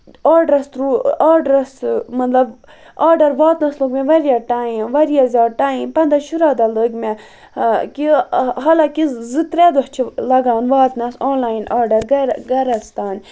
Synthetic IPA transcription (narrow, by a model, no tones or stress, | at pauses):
aːɾɖɾɐst̪ɾuːaːɾɖɾɐsmɐt̪lɐb | aːɖɐɾʋaːt̪nɐsloɡmeʋɐɾijaʈaːĩʋɐɾijazʲaːʈaːĩmpɐnd̪ɐʃuɾaːd̪aləɡme | kiɦɐlakizit̪ɾɛd̪uht͡ʃʰilɐɡaːnʋaːt̪nɐsoːnlaːinaːɾɖɐɾɡɡɐɾɐst̪aːn